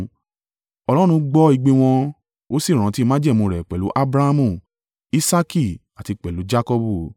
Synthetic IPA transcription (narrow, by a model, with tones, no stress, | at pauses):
ɔ˧lɔ˦ɾ̃ũ˧ɡ͡bɔ˦i˧ɡ͡be˧w̃ɔ̃˧ | o˦si˦˨ɾ̃ã˨˦ti˦mã˦d͡ʒɛ˦˨mũ˧ɾɛ˨k͡pɛ˨lu˨˦ʔa˦bɾa˦a˦mũ˦˨ | i˦sa˦ki˦˨a˨ti˧k͡pɛ˨lu˨˦d͡ʒa˦kɔ˧bu˦˨